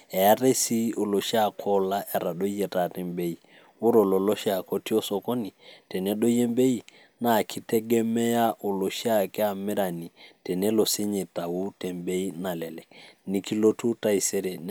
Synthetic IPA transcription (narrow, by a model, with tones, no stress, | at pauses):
ɛ˨a˦ɾe˦si˦o˨lo˨ʃa˦˨kʰɔ˦la˦ʔɛ˨ɾa˨ɗɔ˦jɛ˨ta˨ɾɛ˦mbe˦i˨ | u˦ɾɔ˨lɔ˨lɔ˦ʃa˨kɔ˦ti˦ɔ˦sɔ˦kɔ˦ni˨tɛ˨nɛ˦ɗɔ˦jɛ˦mbe˦i˦ | na˨kʰi˦tɛ˦ɡɛ˦mɛ˦ja˦ʔo˨lo˨ʃa˦˨kɛ˦a˨mɛ˦ɾa˨ni˨tɛ˨nɛ˦lɔ˨sɛ˦ɲɛ˨ta˨wu˦tɛ˨mbe˦i˦na˨lɛ˨lɛ˨ni˨ki˦lo˦tu˦ta˦i˨sɛ˦ɾɛ˨